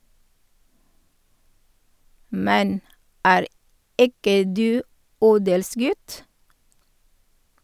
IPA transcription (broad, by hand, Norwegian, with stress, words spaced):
ˈmɛn ˈæːɾ ˈɪkə ˈdʉː ˈuːdəlˌsɡʉt